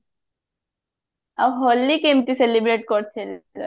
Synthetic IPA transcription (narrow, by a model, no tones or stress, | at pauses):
aʋɦɔlːikemt̪iselibɾeʈ̚kɔɾt͡ʃʰelk̪ə